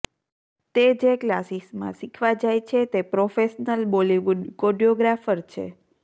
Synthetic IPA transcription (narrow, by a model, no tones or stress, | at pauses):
t̪ed͡ʒeklasismã̰sikʰʋad͡ʒajt͡ʃʰet̪epɾofeʃnəlboliʋuɖkoɖijoɡɾafəɾt͡ʃʰḛ